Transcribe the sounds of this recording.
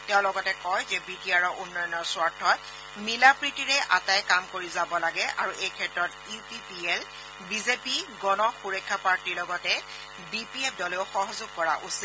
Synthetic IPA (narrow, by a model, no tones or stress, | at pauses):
tɛʊ̃lɔɡɔtɛkɔjzɛbidiaɹɔʔunːɔjɔnɔɹswaɹtʰːɔt | milapɹitiɹɛʔa̰tajkamkoɹizabɔlaɡɛʔa̰ɹuʔejkʰɛtɹɔt | ipipiɛl | bizepiɡɔnɔxuɹɔkʰːapaɹtiɹlɔɡɔtɛ | bipiep̚dɔleʊxɔɦɔzʊɡ̚kɔɹa̰ʔusi